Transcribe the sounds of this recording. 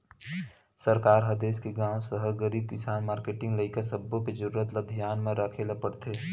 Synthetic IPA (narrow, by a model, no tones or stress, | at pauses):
səɾkaːɾɦɐd̪eːskeɡãːw̃səɦəɡəɾiːb̚kɪsaːnmaːɾkeːʈɪ̃ŋɡləɪkasəbːõked͡ʒɐɾuɾət̪lad̪ʱjaːnmẽɾɐkʰelapəɽt̪eː